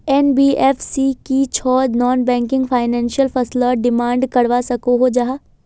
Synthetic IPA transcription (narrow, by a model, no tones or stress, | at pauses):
ɛnbiːʔɛːfsikit͡ʃʰɔːnɔːnbɛ̃ːŋkɪ̃ŋɡfʰaːɪnɛ̃ːnʃijəlfɐslaɖɪmãːɳɖkɐɽʋasɐkoɦod͡ʒaɦaː